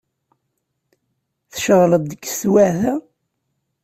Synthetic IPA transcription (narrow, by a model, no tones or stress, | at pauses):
θəʃəʁləd̪̚d̪əkːstwæθæ